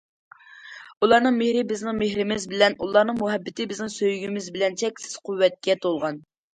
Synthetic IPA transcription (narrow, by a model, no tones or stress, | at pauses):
ulˠɑɾnɨŋmehɾɪbɪznɪŋmeɦɾɪmɪzbɪlɛnulˠɑɾnɨŋmuɦɛbːɪt̪ʰɪbɪznɪŋsøjɡʲimɪzbɪlɛnt͡ʃʰɛkʲsɪ̥z̥qʰuwːɛt̪̚kʲɛt̪ʰolˠʁɑn